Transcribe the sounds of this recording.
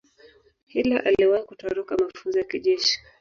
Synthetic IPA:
hilaʔaliwaikutɔɾɔkamafunzɔjakiʄɛʃi̥

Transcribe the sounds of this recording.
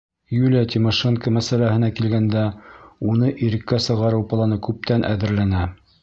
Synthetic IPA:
julʲijat̪ʲimoʃeŋkəmæsælæhɘ̆nækilɡænd̪æunɤʔiɾɘ̆kːæsɤ̆ʁɑɾɤwpɤ̆lˠɑnɤkʉp̚t̪ænʔæ̰ðɘ̆ɾlænæ

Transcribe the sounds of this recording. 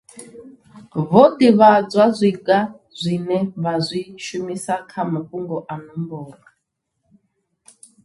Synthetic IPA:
βɔdiβad͡zʷazʷiɡa | zʷinɛβazʷiʃumisakʰamaɸuŋɡɔʔanumbɔːŋɡa

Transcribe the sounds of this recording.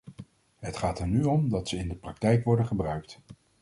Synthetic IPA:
ɦətχaːtəɹnyɔmdɑtsəɪndəprɑk̚tɛjkʋɔɹdəχəbrœɥk̚t

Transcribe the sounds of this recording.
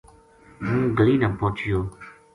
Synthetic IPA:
mũːɡəliːnãːpoːt͡ʃjoː

